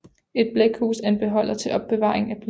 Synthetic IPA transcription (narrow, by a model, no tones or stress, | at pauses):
e̝d̥̚b̥leɡ̥huːsæɐe̝nb̥e̝ɦɒ̽l̰ɐt͡sʰe̝ʔɒ̽b̥ːe̝ʋɑ̈ːeŋ̩æb̥l